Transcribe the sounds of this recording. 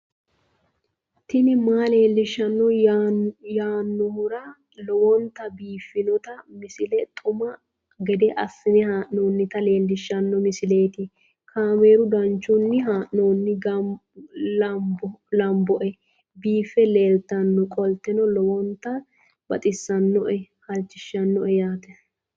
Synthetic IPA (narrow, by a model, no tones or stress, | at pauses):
t̪ɪnɪmaːle̞ːlːɪʃːɐnːɔ | jaːnːɔhʊɾɐ | lɔwɔnt̪ːɐbiːfːɪnɔt̪ɐmɪsɪlɛt̪ʼʊmɐ | ɡɛd̪ɛʔɐsːɪnɛhaːʔnoːnːɪt̪ɐle̞ːlːɪʃːɐnːɔmɪsɪle̞ːt̪ɪ | kʰaːme̞ːɾʊd̪ɐnt͡ʃːʊnːɪɦaːʔnoːnːɪɡɐ | lɐmbɔlɐmbɔʔɛ | biːfːɛle̞ːlt̪ːɐnːɔkʼɔlt̪ɛnɔlɔwɔnt̪ːɐ | bɐt̪ʼɪsːɐnːɔʔɛhɐlt͡ʃːɪʃːɐnːɔʔɛjaːt̪ɛ